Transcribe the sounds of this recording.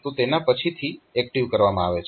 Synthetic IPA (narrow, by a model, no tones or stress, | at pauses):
t̪ot̪enapət͡ʃʰit̪ʰiɛk̚ʈiʋkəɾʋamãaʋet͡ʃʰ